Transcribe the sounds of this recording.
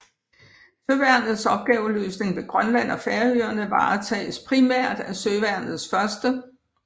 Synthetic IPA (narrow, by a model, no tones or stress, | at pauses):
søʋæɐ̰nð̞̩ˠsɒ̽b̥̚ɡ̥ɛːʊəløːsne̝ŋʋe̝ɡ̥ʁɶnlæn̰ɒ̽feɐøːɐnəʋɑ̈ːt͡sʰɛ̰ːspʰʁimæɐ̰d̥æsøʋæɐ̰nð̞̩ˠsfɶɐsd̥ə